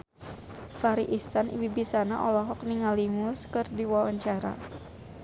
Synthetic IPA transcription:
faɾiʔisanḭwibisanaʔɔlɔɦɔkniŋalimuskɨrdiwawaɲt͡ʃaɾa̰

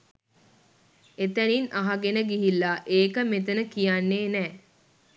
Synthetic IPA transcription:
et̪æninʔaɦaɡenəɡiɦilːaʔeːkəmet̪ənəkijanːeːnɛː

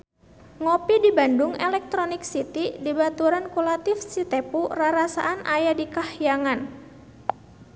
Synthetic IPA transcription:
ŋopidibandʊŋɛlɛk̚t̪ɾonɪk̚sit̪idibat̪uɾankulat̪ɪfsit̪ɛpuraɾasa̰ʔanʔajadikahjaŋan

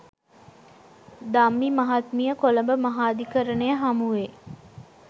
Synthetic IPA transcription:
d̪amːimaɦat̪mijəkoləmbəmaɦaːd̪ikəɾənejəɦamuʋe

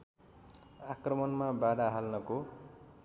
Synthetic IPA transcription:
akrʌmʌnmabaɽaɦalnʌko

